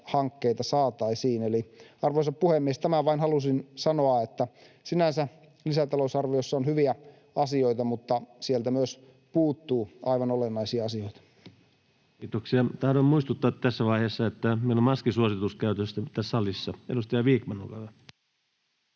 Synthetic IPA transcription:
hɑŋkːeit̪ɑsɑːt̪ɑisiːneliɑrʋoisɑppuhemːiest̪æmæʋɑinhɑlusinsɑnoɑet̪ːæ | sinænsæ | lisæt̪ɑlosɑrʋiosːɑonhyʋiæ | ɑsioit̪ɑmut̪ːɑsielt̪æmyøs | puːt̪ːuːɑiʋɑnolenːɑisiɑɑsioit̪ɑ̥ | kiːt̪oksiɑt̪ɑhdommuist̪ut̪ːɑːt̪t̪æsːæʋɑihesːɑet̪ːæmeilommɑskisuosit̪uskæyt̪øst̪æt̪æsːɑlisːɑḛdust̪ɑjɑʋiːkmɑnːokɑʋæ

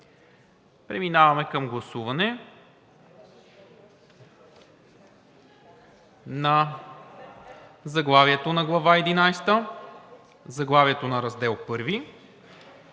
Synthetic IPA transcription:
pɾɛminavɐmɛkɐmɡlˠɐsuvɐnɛ | nɐ | zɐɡlˠaviɛt̪onɐɡlˠɐvaɛd̪inajst̪ə | zɐɡlˠaviɛt̪onɐɾɐzd̪ɛlˠpɤɾvi

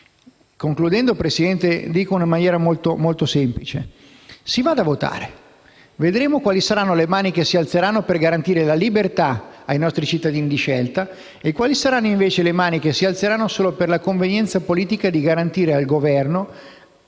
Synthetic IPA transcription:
koŋklud̪ɛnd̪opɾesid̪ɛnt̪ed̪iːkounamanjɛːɾamolt̪omolt̪osɛmplit͡ʃḛ | sivad̪avot̪a̰ːɾe | ved̪ɾeːmokwaːlisaɾanːolemaːnikesːialt̪seɾanːoperɡaɾant̪iːɾelalibert̪aajnɔst̪ɾit͡ʃit̪ːad̪iːnid̪iʃɛlt̪a | ekːwaːlisaɾanːoiɱveːt͡ʃelemaːnikesːialt̪seɾanːosoːloperlakoɱvenjɛnt̪sapoliːt̪ikad̪iɡaɾant̪iːɾealɡovɛrno

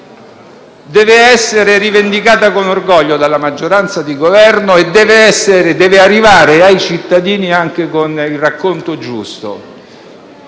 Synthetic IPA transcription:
d̪ɛːveɛsːeɾeɾivend̪ikaːt̪akonorɡɔʎːod̪alːamad͡ʒːoɾant̪sad̪iɡovɛrnoed̪ːɛːveɛsːeɾed̪ɛːvearːivaːɾeajt͡ʃit̪ːad̪iːniaŋk̟ekonilrakːont̪od͡ʒṵst̪o̰

